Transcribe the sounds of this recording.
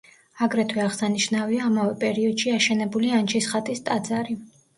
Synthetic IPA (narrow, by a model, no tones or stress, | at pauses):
aɡɾɛt̪ʰwɛaʁsaniʃnaviaːmavɛpʼɛɾiɔd̪̥ʃiaʃɛnɛbuliant͡ʃʰisχat̪ʼist̪ʼad̪zaɾi